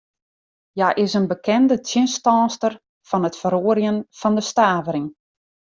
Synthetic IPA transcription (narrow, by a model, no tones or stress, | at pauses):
jaʔɪsənbəkʰɛndətʰjɪnstɔːstər | fɔnətfəɾoːəɾjənfɔndəstaːvəɾɪŋ